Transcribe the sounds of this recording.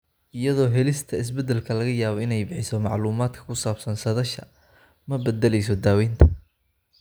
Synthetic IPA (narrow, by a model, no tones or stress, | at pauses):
ʔɪjɐðɔːɦɛlɪst̪ʰɐɪs̬bɛd̪ɛlkʰɐlɐɣɐjaːβɔɪnɛjbɪħɪsɔmɑʕluːmaːd̪kʰɐ̥kʰʊsaːbsɐnsɐðɐʃɐ | mɐbɛd̪ɛlɛjs̬ɔd̪aːwɛjnt̪ʰɐ̥